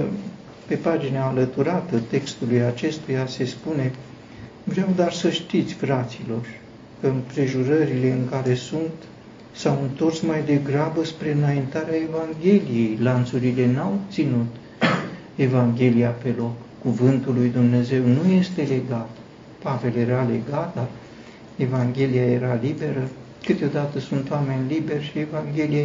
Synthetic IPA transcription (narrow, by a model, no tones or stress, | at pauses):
pe̞pad͡ʒineaːlət̪uɾat̪ət̪e̞kst̪ulujat͡ʃe̞st̪ujase̞spune̞ | vɾeawd̪oarsəʃt̪it̪sʲfɾat̪silo̞r | kəɨmpɾe̞ʒuɾəɾile̞ɨŋkaɾe̞sunt̪ | sawɨnt̪o̞rsmajd̪e̞ɡɾabəspɾe̞ɨnaint̪aɾeae̞vaŋɡʲe̞lije̞jlant̪suɾile̞nawbt̪sinut̪ | e̞vaŋɡʲe̞liape̞lo̞kːuvɨnt̪ulːujd̪umne̞ze̞wnujest̪e̞le̞ɡat̪ | pave̞lje̞ɾale̞ɡat̪̚d̪ar | e̞vaŋɡʲe̞lijaje̞ɾalibe̞ɾə | kɨt̪eo̞d̪at̪əsunt̪oame̞nʲlibe̞rʲʃie̞vaŋɡʲe̞lije